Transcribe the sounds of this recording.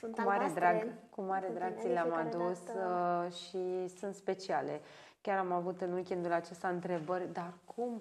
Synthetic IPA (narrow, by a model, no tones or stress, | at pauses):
kumaɾed̪ɾaɡkumaɾed̪ɾaɡ̚t̪sileamad̪us | ʃisunt̪spe̞t͡ʃiale̞ | kʲaɾamavut̪ɨnujkʲind̪ulat͡ʃest̪aɨnt̪ɾe̞bərʲd̪arkʰum